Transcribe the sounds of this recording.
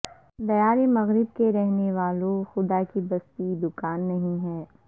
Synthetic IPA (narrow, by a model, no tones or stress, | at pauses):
d̪ɐjaːɾemɐɣɾɪb̚keɾɛɦneʋaːlõxʊd̪akibɐst̪id̪ʊkaːnːɐɦĩɦɛː